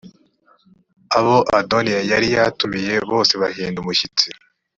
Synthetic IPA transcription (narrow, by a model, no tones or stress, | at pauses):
aβo̞ʔadonijajaɾijatumije̞βo̞ːse̞βahiːndumuʃit͡si